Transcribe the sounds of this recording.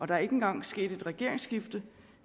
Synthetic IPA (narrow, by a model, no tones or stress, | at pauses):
ɒ̽ɾ̥ɑ̈æɐe̝ɡ̥əenɡ̥ɑ̈ŋ̰sɡ̥e̝̰ːd̥e̝d̥ʁɛɡ̥e̝ɐ̰e̝ŋsɡ̥ifd̥ə